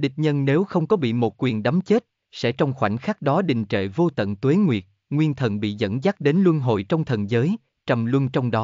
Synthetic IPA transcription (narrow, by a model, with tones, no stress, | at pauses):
ɗi˨˩t̚ɲə˧nne˨˦wxə˧wŋ͡mkɔ˨˦ɓḭ˧˨mo˨˩t̚kwi˨˩ənɗa˨˦mt͡ɕe˦˥t̚ | sɛ̰˧˥t͡ɕɔ˧wŋ͡mxwa˧˩jŋ̟xaː˦˥k̚ɗɔ˨˦ɗḭ̈˨ŋ̟t͡ɕḛ˧˨vo˧t̪ə̰˧˨nt̪we˨˦ŋwi˨˩ət̚ | ŋwi˧ənt̪ʰə˧˩nɓḭ˧˨zə̰˧˥nzaː˦˥k̚ɗe˨˦nlwɨ˧nɦo̰˧˨jt͡ɕɔ˧wŋ͡mt̪ʰə˨˩nzəː˨˦j | t͡ɕə˨˩mlwə˧nt͡ɕɔ˧wŋ͡mɗɔ˨˦